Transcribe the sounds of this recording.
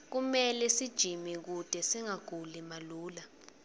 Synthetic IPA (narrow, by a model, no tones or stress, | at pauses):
k̬umɛlɛsid̥ʒ̥ʱimik̬ud̥ʱɛsiŋaɡ̥ʱulimaluːla